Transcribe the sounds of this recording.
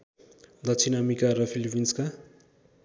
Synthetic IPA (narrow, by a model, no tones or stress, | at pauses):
d̪ʌt͡sʰinamikaɾʌpʰilbinska